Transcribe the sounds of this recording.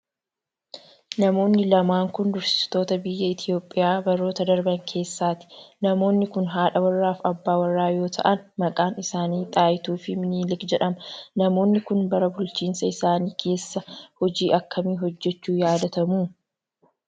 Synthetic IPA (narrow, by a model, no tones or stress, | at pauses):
nɐmo̞ːnːɪlɐmaːŋkʊnd̪ʊɾsɪ̥st̪o̞ːt̪ɐbɪjːɐɪt̪ʰɪjo̞ːpʼːɪjaːbɐɾːo̞ːt̪ɐd̪ɐɾbɐŋkʰe̞ːsːaːt̪ɪ̥nɐmo̞ːnːɪkʊnɦaːᶑɐwɐrːaːfɐbːaːwɐrːaːjo̞ːt̪ʰɐ̰ʔɐnmɐkʼaːnɪsaːniːt̪ʼaːjɪt̪uːfɪmɪniːlɪkd͡ʒɛᶑɐmɐnɐmo̞ːnːɪkʊnbɐɾɐbʊlt͡ʃiːnsɐɪsaːniːkʰe̞ːsːɐhɔd͡ʒiːʔɐkʰːɐmiːɦɔd͡ʒːɛt͡ʃːuːjaːd̪ɐt̪ɐmuː